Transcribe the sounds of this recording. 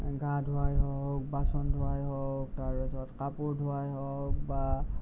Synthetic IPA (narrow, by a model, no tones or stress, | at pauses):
ɡʱãdʱʊajɦɔk̚basɔndʱʊajɦɔk̚taɹɔzɔtkapuɹdʱuajɦɔk̚ba